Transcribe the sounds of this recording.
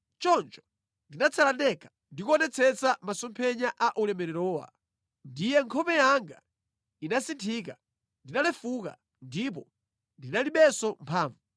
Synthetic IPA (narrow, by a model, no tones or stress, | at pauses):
t͡ʃɔnt͡ʃɔ̥ | ndinat͡sʰalandɛkʰḁ | ndikuɔnɛt͡sʰɛt͡samasɔmpʰɛɲaʔaʔulɛmɛɾɛɾɔːwa̰ | ndijɛŋkʰɔpɛjaŋɡa̰ | inasintʰiːka | ndinalɛfuka̰ | ndip̬ɔ | ndinaliɓɛsɔmpʰaːɱvu